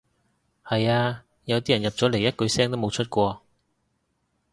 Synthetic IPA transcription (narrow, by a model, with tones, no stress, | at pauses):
hɐ˨jaː˧ | jɐ˨˧wt̪iː˥jɐ˨˩njɐ˨p̚t͡sɔː˨˥le˨˩jɐ˥t̚kɵ˧ɥsɛː˥ŋt̪o˥wm˨˧wt͡ʃʰɵ˥t̚kʷɔː˧